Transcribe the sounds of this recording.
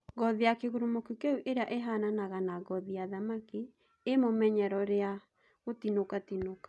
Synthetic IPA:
ɡɔðiakeɣuɾumokukeuʔeɾeaʔeɦananaɣanaɣɔðiaðamaki | emomɛɲɛɾɔɾea | ɣotinokatinokḁ

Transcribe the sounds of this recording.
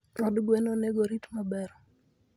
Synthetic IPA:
ɔdɡwɛnoneɡoɾitmabɛɾɔ

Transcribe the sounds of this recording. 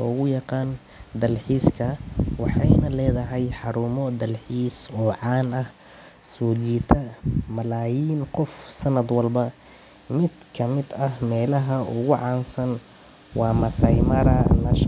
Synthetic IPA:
lɔːɣʊjɑqɑːn | d̪ɐlħiːskʰɐwɑħɑjnɐlɛːðɐɦɛjħɑɾuːmɔd̪ɐlħiːsɔːʕɑːnɐh | suːd͡ʒiːt̪ʰɐmɐlaːjiːnqɔfsɐnɐd̪wɐlbɐ | mɪd̪kʰɐmɪd̪ɐhmɛːlɐɦɐʔʊ̰ɣʊʕɑːnsɐn | wɑːmɐsɐjmɐɾɐnɐʃ

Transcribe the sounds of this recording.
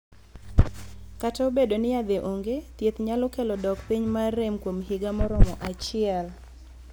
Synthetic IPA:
kataobedonɪjad̪eʔoŋɡet̪jet̪ɲalokelɔdɔkpiɲmaremkwomɦɪɡamɔɾɔmɔʔat͡ʃɪɛl

